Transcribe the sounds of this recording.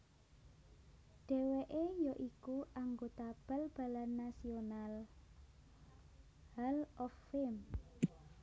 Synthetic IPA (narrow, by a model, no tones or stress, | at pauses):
ɖ̥e̤weʔejɔʔikuʔaŋɡot̪ab̥ə̤lb̥a̤lanːasional | halɔfɪm